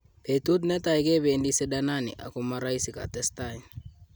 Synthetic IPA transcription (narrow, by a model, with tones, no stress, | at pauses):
ke˨tu˦t̬nɛ˦ta˨i˨ke˦be˨ndi˦se˦da˦na˦nɪ̰˨ʔa̰˨ko˨ma˦ɾa˦i˦si˨ka̰˨tɛ˦stain